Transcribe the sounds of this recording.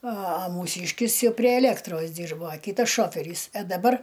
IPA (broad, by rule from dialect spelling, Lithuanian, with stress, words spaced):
ɐ ɐ muːˈsʲiːʃʲkʲɪs ˈjɛʊ pʲrʲiɛ ɛˈlʲeːktroːs ˈdʲiːrboː ɐ ˈkʲiːtɐs ˈʃoːfʲɛrʲiːs ɐ dɐˈbɐr